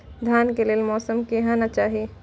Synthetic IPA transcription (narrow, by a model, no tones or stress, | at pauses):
d̪ʱjaːnkeleːlmɔːsəmkeɦãnat͡ʃaːɦie